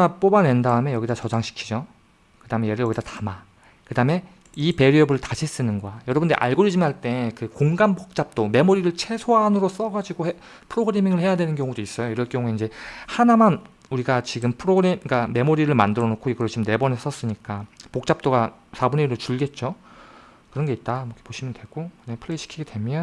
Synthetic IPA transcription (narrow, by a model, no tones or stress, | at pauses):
ap͈obane̞ndaɯme̞jʌɡidat͡ɕʌd͡ʑaŋɕʰi̥kʰid͡ʑo | kɯdamejeɾɯɭjʌɡidatama | kɯdame̞ | ipe̞ɾiʌbɯɭtad͡ʑʰis͈ɯnɯnɡwajʌɾʌbɯndɾḛʔa̰ɭɡoɾid͡ʑimɦaɭt͈e̞kɯkoŋɡanbok̚t͡ɕ͈ap̚t͈ome̞moɾiɾɯɭt͡ɕʰe̞sʰoɦanɯɾos͈ʌɡad͡ʑiɡohe | pʰɯɾoɡɯɾe̞miŋɯɭhe̞jadwe̞nɯnkjʌŋudois͈ʌjoiɾʌɭkjʌŋue̞ind͡ʑe̞hanaman | uɾiɡat͡ɕiɡɯmpʰɯɾoɡɯɾemikame̞moɾiɾɯɭmandɯɾʌnokʰoiɡɯɾʌt͡ɕʰimne̞bʌnes͈ʌs͈ɯɲik͈apok̚t͡ɕ͈ap̚t͈oɡasʰabuneiɾot͡ɕuɭɡe̞t̚t͡ɕ͈o | kɯɾʌnɡe̞it̚t͈amʌkʰepoɕʰimjʌndwe̞ɡ̥onepʰɯɭeɕʰi̥kʰiɡedwe̞mjʌn